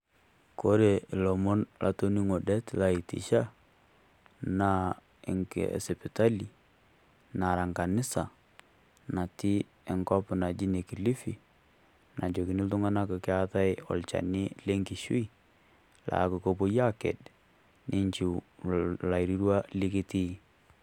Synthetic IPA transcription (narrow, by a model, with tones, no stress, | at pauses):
ko˦ɾe˨ɪ˨lo˨mo˦nlʔa̰˨to˦ni˦ŋo˨dɛ˦tla˨i˨tḭ˨ʃa˦ | na˦ | ɪ̰˨ŋksɛ˨pɪ˨ta˦li˨ | na˨ɾa˨ŋka˨nɪ˦sa˨ | na˨ti˦ | ɛ˨ŋkɔ˦pna˨d͡ʒi˦ne˨ki˨li˦fi˨ | na˨d͡ʒo˨ki˨nɪ˦ltʊ˦ŋa˦na˦ko˨kɪ˦a˦ta˦jɔ̰˨lt͡ʃa̰˨nɪ˦le˦ŋki˨ʃṵ˦i˦ | la̰˨˦ko˨ko˦po˦ja˦kɛ̰˨d | nʔɪ˦ɲt͡ʃi˨ | la˨ɾi˦ɾwa˦li˦kɪ˦ti˦